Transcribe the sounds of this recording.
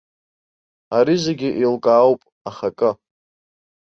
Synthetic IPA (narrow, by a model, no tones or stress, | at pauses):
aɾizeɡʲɪʔilkʼaːwpʼ | aχakʼɨ